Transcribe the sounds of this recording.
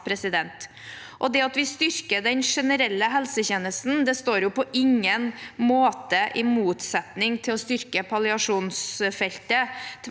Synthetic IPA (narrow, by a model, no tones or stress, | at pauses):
pʰɾɛsɪd̪ɛnt̪ | ʔɔd̪ɛɑt̪ʋɪst̪ʏɾkəɖɛnʂɛnəɾɛlːəɦɛlsəçeːnəst̪n̩d̪ɛst̪oːɾjʊpɔʔɪŋːənmoːt̪əʔɪmuːt̪sɛt̪nɪŋt̪ʰɪlɔst̪ʏɾkəpʰɑlɪɑʂuːnsfɛlt̪ət̪ʰ